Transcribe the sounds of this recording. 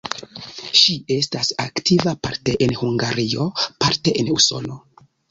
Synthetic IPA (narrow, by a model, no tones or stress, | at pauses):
ʃie̞stasaktʰivapaɾte̞ʔenhuŋɡaɾio̞paɾte̞ʔenuso̞̰lo̞